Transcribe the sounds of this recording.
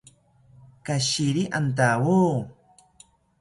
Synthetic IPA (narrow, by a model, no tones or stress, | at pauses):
kaɕiɾiʔant̪̬awuː